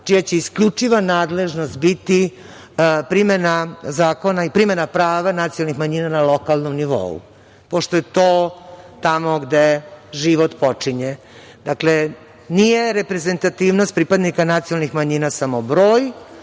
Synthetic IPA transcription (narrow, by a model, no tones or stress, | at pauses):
t͡ʃijat͡ɕe̞iskʎut͡ʂiʋanaːd̪le̞ʒno̞st̪̚bit̪i | pɾimenazaːko̞naipɾimenapɾaːʋanat̪siolˠnixmaɲiːnanalo̞kalˠnomniʋo̰ṵ | poʂʃt̪o̞jet̪oːt̪amo̞ɡd̪eʒiʋot̪pot͡ʂiɲe | d̪akle | nije̞ɾepɾe̞ze̞nt̪at̪iːʋnost̪pɾipad̪nikanat̪sionalnixmaɲinasamobɾoːj